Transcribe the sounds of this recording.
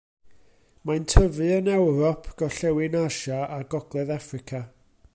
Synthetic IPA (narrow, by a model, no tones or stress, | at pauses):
mantʰəvɨənɛwɾɔpʰɡ̥ɔɬɛwɨnaʃaaɡɔɡlˠɛðafrɪkʰa